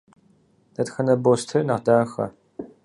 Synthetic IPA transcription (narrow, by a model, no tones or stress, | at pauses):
nɐtxɐnɐboːstʰɨnɐʁdaːxɐ̰